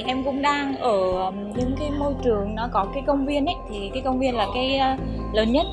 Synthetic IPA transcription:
ʔɛ˧mkʊ̰˧˥ŋ͡mɗaː˧ŋʔəː˧˩˨ | ɲɨ̰˧˥˦ŋkaː˨˦jmo˧jt͡ɕɨ˨˩əŋnɔ˨˦kɔ˨˦kaː˨˦jkə˧wŋ͡mvi˧ənʔə˨˦jt̪ʰi˨˩kaː˨˦jkə˧wŋ͡mvi˧ənlaː˨˩kaː˨˦j | ləː˨˦nɲə˦˥t̚

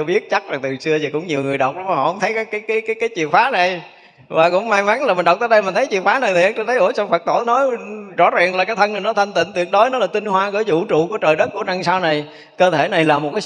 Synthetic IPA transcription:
ɓi˦˥ət̚t͡ɕa˦˥t̚za˨˩ŋt̪ɨ˨˩sɨ˧əi˨˩kʊ˧˥ŋ͡mɲi˨˩əwŋɨ˨˩əjɗə˨˩wk͡p̚ɗɔ˨˦maː˨˩hɔ˧˨hə˧wŋ͡mt̪ʰə˨˦jkaː˨˦jkaː˨˦jkaː˨˦kaː˨˦jkaː˨˦jt͡ɕwḭ˨˩ən̚faː˨˦na˨˩j | vaː˨˩kʊ̰˧˥wŋ͡mmaː˧jma˨˦nlaː˨˩mï˨˩nɗwk͡p̚t̪əː˧˦ɗjmiː˨˩nt̪ʰə˨˦jt͡ɕwi˧˩ək̚faː˨˦na˨˩t̪i˨ʔə˧˦ŋt͡ɕə˧nt̪ʰə˨˦ʔo˧˩˦sɔ˧ŋ͡mfə˨˩k̚t̪o̰˧˩˦nɔ˨˦jzɔ̰˧˥zaː˨˩ŋlaː˨˩kaː˨˦t̪ʰə˧na˨˩jnɔ˨˦t̪ʰa˧ŋt̪ḭ̈˧˨ŋ̟t̪wi˨˩əɗo˨˦jnɔ˨˦laː˨˩t̪i˧nhwaː˧ɣəː˧˩˦jzṵ˧˨t͡ɕṵ˧˨ku˧˩ət͡ɕəː˨˩jɗə˦˥t̚ku˧˩əna˧˩ŋsaː˧wna˨˩j | kəː˧t̪ʰe˧˩na˨˩jlaː˨˩mo˨˩t̚kaː˨˦

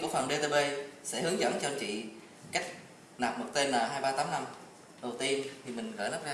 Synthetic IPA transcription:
u˧˩əxwaː˨˩ŋɗe˧t̪e˧ɓe˧sɛ̰˧˥hɨ˨˦əŋzə̰˧˥nt͡ɕɔ˧t͡ɕḭ˧˨ | ka˦˥jk̚ | naː˨˩p̚mo˨˩t̚t̪e˧nlaː˨˩ɦaː˧jɓaː˧t̪aː˨˦mna˧m | ɗə˨˩wt̪i˧ənt̪ʰi˨˩mï˨˩ŋ̟ɣəː˧˩jlə˦˥p̚zaː˧

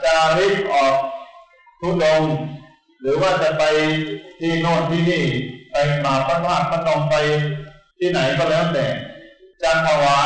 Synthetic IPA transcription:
t͡ɕa˧˨˩ɾi˦˥˩t̪̚ʔɔː˨˩k̚ | t̪ʰu˦˥lo˧ŋ | ɾɯː˩˦waː˥˩t͡ɕa˨˩pa˧jt̪ʰiː˥˩noː˥˩t̪̚ʰiː˥˩niː˥˩pa˧jmaː˨˦pʰa˧˥maː˥˩t̪̚maː˥˩nɔ˧ŋpa˧jt̪ʰiː˥˩na˩˦jkɔː˥˧˩lɛː˦˥˩t̪ɛː˨˩t͡ɕa˧k̪ʰːaː˧waː˧˦˥

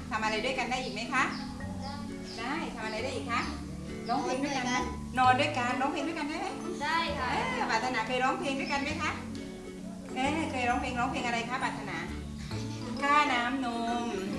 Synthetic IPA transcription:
t̪ʰa˧mʔa˧ɾa˧jdu˥˩əjka˧ndaː˥˩jʔiː˨˩ma˦˥jkʰa˦˥ʔ | daː˥˩jt̪ʰa˧mʔɾa˧jdaː˥˩ʔiː˨˩kʰa˦˥ʔ | ɾɔː˦˥ŋpʰeː˧ŋdu˥˩jka˧na˥˩ | nɔː˧ndu˥˩əjka˧nɾɔː˦˥ŋpʰːŋduː˥˩jka˧ndaː˥˩jma˦˧˥j | kʰaː˦˧˩paː˨˩t̪̚ʰːa˧naː˨˧˩kʰɤː˧jɾɔː˦˥ŋpʰeː˧ŋdu˥˩jka˧nma˦˥jkʰa˦˥ʔ | ʔeː˧˩kʰɤː˧jɾɔː˦˥ŋpʰeː˧ŋɾɔː˦˥ŋpʰeː˧ŋʔa˧ɾa˧jkʰaː˦˥˩paː˨˩t̪ʰa˧naː˧˥ | kʰaː˥˩naː˦˥mno˧ŋ

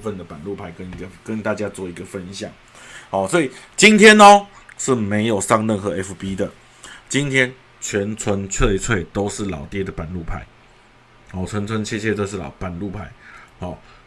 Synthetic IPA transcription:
fə˥˨nd̪ə˩pa˨˩nlu˥˩pʰa˧˥ɪkə˦ni˧ɡə˨kə˦nt̪a˥˧t͡ɕja˦˥t͡swɔ˥˩i˧˦˥ɡə˨fə˦˥nɕjɑ˨˩˦ŋ | hɔ˨˩swɔ˧˥i˨˩t͡ɕi˦nt̪ʰjɛ˥nɔ˦ | ʂɻ̩˥˩me˧˥ɪjo˨˩ʊʂɑ˥˧ŋɻə˥˨nxɤ˧˦ɛ˦˥fpi˦˥d̪ə˨ | t͡ɕi˦nt̪ʰjɛ˥n | t͡ɕʰɥɛ˨˦˥nt͡sʰwə˧˦nt͡sʰwe˥˧ɪt͡sʰwe˥˨ɪt̪o˥ʊʂɻ̩˥˩lɑ̰˨˩ʊt̪jɛ˥˨d̪ə˩pa˨˩nlu˥˩pʰa˧˦ɪ | hɔ˨˩t͡sʰwə˧˦nt͡sʰwə˧˦nɕjɛ˥˧ɕjɛ˥˧t͡so˥˧ʂɻ̩˥˩lɑ̰˨ʊpa˨˩nlu˥˨pʰa˧˦ɪhɔ˨˩

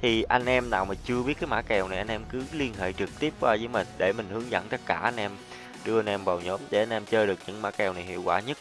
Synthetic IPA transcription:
t̪ʰi˨˩ʔa˧jŋ̟ʔɛ˧mnaː˨˩wmaː˨˩t͡ɕɨ˧əɓi˦˥ət̚kaː˨˦jma̰ː˧˥kɛ˨˩wna˨˩jʔa˧ŋnʔɛ˧mkɨ˨˦li˧ənɦḛ˧˨t͡ɕɨ˨˩k̚t̪i˦˥əp̚kwaː˧zəː˨˦jmï˨˩ŋ̟ɗe˧˩mï˨˩ŋ̟hɨ˨˦əŋzə̰˧˥˨nt̪ə˦˥t̚kaː˧˩ʔa˧jŋ̟ʔɛ˧m | ɗɨ˧əʔa˧nʔɛ˧mɓa˨˩wɲo˨˦mɗe˧˩ʔa˧jŋ̟ʔɛ˧mt͡ɕəː˧ɗɨ˨˩ək̚ɲɨ̰˧˥ŋma̰ː˧˥kɛ˨˩wna˨˩jhḭ˧˨əwkwaː˧˩ɲə˦˥t̚

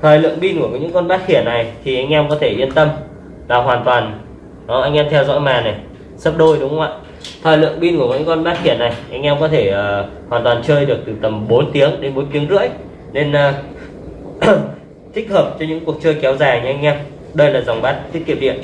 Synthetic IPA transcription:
t̪ʰɔː˨˩jlɨ̰˧˨əŋɓi˧nku˧˩əkɲɨ̰˧˥ŋkɔ˧nɓaː˦˥t̚xi˧˩əna˨˩jt̪ʰi˨˩ʔa˧jŋ̟ʔɛ˧mkɔ˨˦t̪ʰe˧˩ʔi˧ənt̪ə˧m | laː˨˩ɦwaː˨˩nt̪waː˨˩n | ɔ˨˦ʔa˧jŋ̟ʔɛ˧mt̪ʰɛ˧wzɔ̰˧˥jmaː˨˩na˨˩j | sə˦˥p̚ɗo˧jɗʊ˨˦ŋ͡mɣwa̰ː˧˨j | t̪ʰɔː˨˩jlɨ̰˧˨əŋɓi˧nku˧˩mɔ̰˧˨˦kɔ˧nɓaː˦˥t̚xi˧˩əna˨˩jʔa˧jŋ̟ʔɛ˧mkɔ˨˦t̪ʰe˧˩ʔəː˨˩ | haː˨˩nt̪waː˨˩nt͡ɕəː˧jɗɨ˨˩ək̚t̪ɨ˨˩t̪ə˨˩mɓo˨˦nt̪i˨˦əŋɗe˨˦nɓo˨˦jt̪i˨˦əŋzɨ̰˧˥əj | ne˧nəː˧˩ | t̪ʰï˦˥k̟̚həː˨˩p̚t͡ɕɔ˧ɲɨ̰˧˥ŋku˨˩ək̚t͡ɕəː˧jkɛ˨˦wzaː˨˩jɲɨ˧ʔa˧jŋ̟ʔɛ˧m | ɗə˧jlaː˨˩zwŋ͡mɓaː˦˥t̚t̪ʰki˧˩wɗ̪ḭ˧˨ən

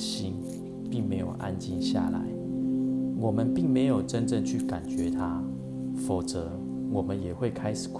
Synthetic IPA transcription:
ɕi˥n | pi˥˩ŋme˧˥ɪjo˨˩ʊʔa̰˦nt͡ɕi˥˧nɕja̰˥˨la̰˧˦ɪ | wɔ˨˩mə˨˦npi˥˩ŋme˧˥ɪjo˨˩ʊʈ͡ʂə˦nʈ͡ʂə˥˧ŋt͡ɕʰy˥˩ka˨˩nt͡ɕɥɛ˨˦t̪ʰa˦ | fo˨˩t͡sɤ˧˦ | wɔ˨˩mə˦njɛ˨˩xwe˥˨ɪkʰa˥ɪʂ̩˨˩kʰ

